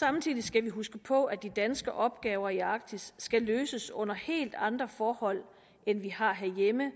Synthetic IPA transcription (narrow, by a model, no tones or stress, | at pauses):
sɑ̈mt͡sʰḭːðˠisɡ̥æʋiɦusɡ̥əpʰɒ̽æd̥id̥ænsɡ̥əʔɒ̽b̥ɡ̥ɛːʊɐiɑ̈ɡ̥̚t͡sʰisːɡ̥æløːsəsɔ̽n̰ɐhe̝̰ːld̥ɑ̈nd̥ʁɐfɒːhɒ̽l̰ | enʋihɑ̈ɦeɐjemə